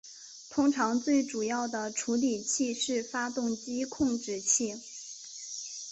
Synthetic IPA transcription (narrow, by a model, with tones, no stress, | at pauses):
t̪ʰʊ˥ŋʈ͡ʂʰɑ˧˥ŋt͡swe˥˩ɪʈ͡ʂu˨˩jɑ˥˩ʊd̪ə˩ʈ͡ʂʰu˧˥li˨˩t͡ɕʰi˥˧ʂɻ̩˥˩fa˥t̪ʊ˥˩ŋt͡ɕi˥kʰʊ˥˧ŋʈ͡ʂɻ̩˥˧t͡ɕʰi˥˩